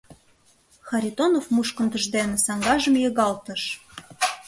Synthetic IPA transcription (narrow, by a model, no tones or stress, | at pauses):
xɑɾʲit̪onofmuʃkə̆nd̪ə̆ʒd̪enĕsɑŋɡɑʒəmjɤɣɑlt̪əʃ